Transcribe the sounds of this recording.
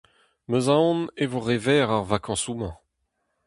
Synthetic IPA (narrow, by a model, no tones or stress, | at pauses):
møzãɔ̃nevoʁɛvɛːʁaʁvakʰɑ̃sumɛ̃